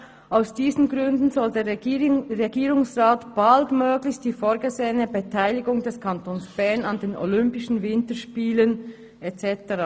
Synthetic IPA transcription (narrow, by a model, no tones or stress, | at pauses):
ʔaʊsd̥iːzn̩ɡʁʏndn̩zɔldeːɐʁeɡiːʁʊŋsʁaːtb̥altmøːɡlɪçt̚d̥iːfoːɐɡəzeːənəbetʰaɪlɪɡʊŋdɛskʰɑntoːnsb̥ɛɐnɑndeːnʔo̰lʏmpɪʃn̩vɪntəʃpiːlən | ɛt͡sɛtəʁaː